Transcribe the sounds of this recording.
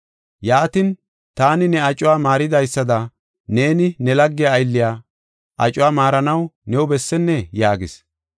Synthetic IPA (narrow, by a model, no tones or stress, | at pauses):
jaːt̪ɪn | t̪aːnɪnɛɐt͡ʃʼʊwaːmaːɾɪd̪ɐjsːɐd̪ɐ | ne̞ːnɪnɛlɐɡːɪjaːjlːɪjaː | ʔɐt͡ʃʼːʊwaːmaːɾɐnɐwnɛʊbɛsːɛnːɛjaːɡɪs